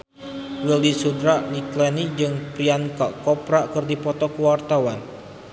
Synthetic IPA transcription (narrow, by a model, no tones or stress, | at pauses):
wəldisudɾaʔnik̪lɛnid͡ʒɨŋpɾiankaʔkɔpɾaʔkɨrdipɔt̪ɔkuwart̪awan